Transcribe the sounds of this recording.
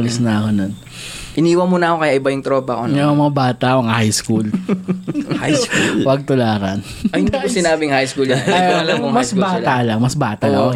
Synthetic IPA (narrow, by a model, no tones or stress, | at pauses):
lɪsnɐɐkonon | ʔɪniːwɐmonɐkokɐjaʔɪbɐjʊŋt̪ɾoːbɐkoɐomɐŋabaːt̪ɐʔkoŋhajskul | ajkulwɐɡ̚t̪ʊlaːɾɐn | ɐd̪ajʊsɪnaːbɪŋhajskulɐlɐmɐsbaːt̪aʔlɐŋmɐsbaːt̪ɐlɐko